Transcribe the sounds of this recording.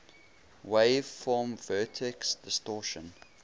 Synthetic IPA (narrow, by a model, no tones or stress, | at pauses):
wev̥fɔːmvɜːˑtʰɪksd̥ɪstɔːˑʃə̃n